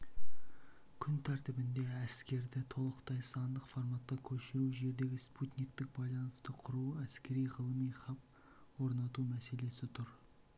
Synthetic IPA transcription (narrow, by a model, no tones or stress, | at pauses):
kʲʰʏnt̪ʰæɾt̪ɪbɪnd̪e̞æskʲe̞ɾd̪ɪt̪ʰo̞lˠəqt̪ɑjsɑnd̪əqfoɾmɑt̪ːɑkʲʰɵʃɪɾuʒe̞ɾd̪e̞ɡʲɪsput̪nik̚t̪ɪk̚bɑjlˠɑnəst̪əqʰʊɾuæskʲe̞ɾijʁəlˠəmijχɑp̚ | wo̞ɾnɑt̪umæse̞le̞sɪt̪ʰʊɾ